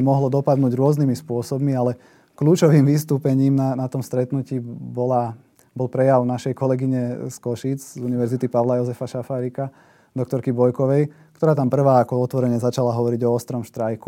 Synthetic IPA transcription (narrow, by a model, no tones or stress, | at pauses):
mɔɦlɔd̪ɔpad̪nuːɟɾʊɔznimispʊɔsɔbmialɛ | kluːt͡ʃɔʋiːmʋist̪uːpɛɲiːmnanat̪ɔmst̪ɾɛt̪nuciːbɔla | bɔlpɾɛjaʊnaʃɛjkɔlɛɡiɲɛskɔʃiːd͡zzuniʋɛɾzit̪ipaʋlajɔzɛfaʃafaːɾika | d̪ɔk̚t̪ɔɾkibɔjkɔʋɛjkkt̪ɔɾaːt̪ampr̩ʋaːakɔɔt̪ʋɔɾɛɲɛzat͡ʃalaɦɔʋɔɾiɟɔɔst̪ɾɔmʃt̪ɾajku